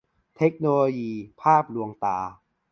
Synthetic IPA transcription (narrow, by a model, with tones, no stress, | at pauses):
t̪ʰe˦˥k̚noː˧loː˧jiː˧pʰaː˥˩p̚lu˧əŋt̪aː˧